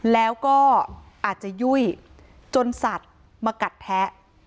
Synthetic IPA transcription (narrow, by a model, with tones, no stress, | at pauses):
lɛː˦˥wkɔː˥˩ʔaː˨˩t̪̚t͡ɕa˨˩ju˥˩əj | t͡ɕo˧nsa˨˩t̪̚ | maː˧ka˨˩t̪̚ʰːɛ˦˥ʔ